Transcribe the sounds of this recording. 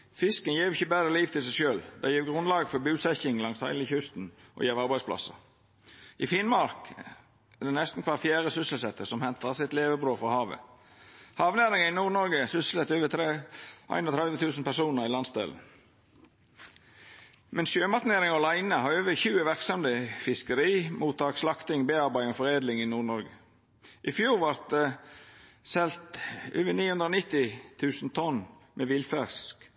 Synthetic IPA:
fɪskənjeːʋɪçəbæːɾəliːʋt̪ʰɪlsɛʃøːld̪æɪjeːʋɡɾʊnlɑːɡfɔɾbʉːsɛçɪŋlɑŋshæɪlɪçʉst̪n̩ʔɔ̰jeːʋɑɾbæɪspʰlɑ̰sə̰ | ʔɪfɪnmɑɾk | ɛd̪ɛnɛst̪n̩kʰʋɑtfjæːɾəsʏsəlsɛt̪ʰːəsɔmhɛnt̪ʰəsɪt̪leːʋəbɾoːfɔhɑːʋə̰ | hɑːʋnæːɾɪŋəɪnuːnɔɾɡəsʏsl̩ət̪øːʋət̪ʰɾeʔæ̰ɪnɔt̪ʰɾɛlʋət̪ʰʉːsn̩pæʁsuːnəɾɪlɑnsd̪ḛːln̩ | mʔɛnsʃjøːmɑt̪neːɾɪŋɔlæɪnəhɑːɾøːʋəçʉːəʋæʁksɔmd̪əfɪskəɾiːmuːt̪ʰɑːkslɑkt̪ɪŋbeːɑɾbæɪɔfɔʁeːd̪lɪŋiːnuːɳɔɾɡə | ʔɪfjuːɾʋɑɾt̪̚d̪ɛ | sɛlt̪ʔø̰ːʋəniːhʉnd̪ɾoːnɪt̪ɪt̪ʰʉːsn̩t̪ʰɔnmeːʋɪlfæsk

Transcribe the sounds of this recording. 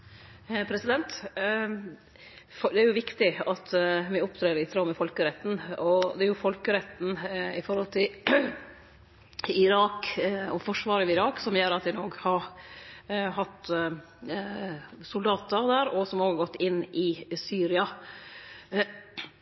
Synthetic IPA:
pʰɾɛsɪd̪ɛnt̪ | fd̪ɛæɾjʊʋɪkt̪ɪɑt̪ʋɪʊpt̪ʰɾeːɾɪt̪ʰɾɑmɛfɔlkəɾɛt̪ːn̩ɔd̪ɛæɾjʊfɔlkəɾɛt̪ːn̩ɪfɔɾhɔlt̪ʰɪl | ɪɾɑːkɔfɔʂʋɑːɾəʋɪɪɾɑːksɔmjøːɾɑt̪ʋɪnoːɡhɑɾ | ɦɑt̪ː | sʊld̪ɑːt̪əɾd̪æːɾɔsɔmoːɡɡɔt̪ːɪnːʔɪsyːɾɪɑ

